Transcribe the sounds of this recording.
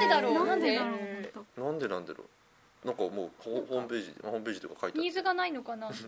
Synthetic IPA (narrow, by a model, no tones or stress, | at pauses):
d̪ed̪aɾoːnãnd̪eãnenãnd̪e̞nãnd̪aɾo̰ | nãŋkɑmoːhohoːmpe̞ːʑihõːmp̬e̞ːʑit̪okakʰait̪ɲaiːzɨɡanaino̞kana